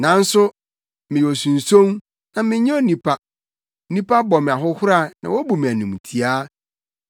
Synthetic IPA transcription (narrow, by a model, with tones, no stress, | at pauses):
nã˨˦n̩˦sʊ˦ | mɪ̃˨jo˨sũ˨n̩˨sõ˦m | nã˨mɪ̃˦ɲɛ̃˦o˦nĩ˨pʰa˦ | nĩ˦pa˦bɔ˨mɪ̃˨a˨ɦʊ˦hʊ˦ɾa˦˨nã̰˨wo˦bu˨mĩ˨æ˨nũ˨m˨tʰi˨a˦